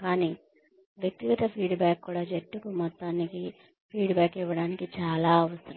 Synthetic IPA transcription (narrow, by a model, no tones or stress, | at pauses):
kaːniː | ʋjek̚t̪iɡɐt̪ɐpʰiːɖbaːkːuːɽaːd͡ʒeʈːukumɔt̪ːaːniki | pʰiːɖbaːkiʋːɐɽaːnikit͡ʃaːlaːɐʋɐsɐɾɐm